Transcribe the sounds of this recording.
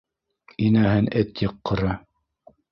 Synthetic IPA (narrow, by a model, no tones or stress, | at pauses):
inæɦɘnɘt̪jɤqːɤ̆ɾɑ